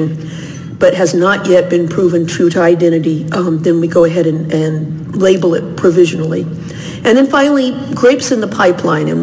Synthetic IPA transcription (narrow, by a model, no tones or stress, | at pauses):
n | b̥ʌt̚ɦɨznəʔjɛt̚b̥ɨ̃npʰɹ̥uvɨ̃ntʰɹ̥ʉɾɨaɪdɛ̃ɾ̃ɨɾiðɨ̃nwiɡoʊɨɦɛɾɨ̃nʔɨ̃n | leɪbl̩ˠɪt̚pʰɹ̥ɨvɪʒɨnl̩ˠḭ | ɨ̃nðɨ̃nfãɪ̃nl̩ˠi | ɡɹeɪpsɨ̃nðəpʰaɪpʰlãɪ̃nɨ̰̃n